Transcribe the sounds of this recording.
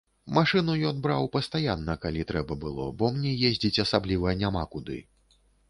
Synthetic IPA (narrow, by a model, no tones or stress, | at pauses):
maʂɨnujɔnbɾawpɐst̪ajanːɐkalʲit̪ɾɛbɐbɨlˠɔ̰bɔmnʲɛjezʲd͡zʲit͡sʲɐsablʲivɐnʲamakud̪ɨ̰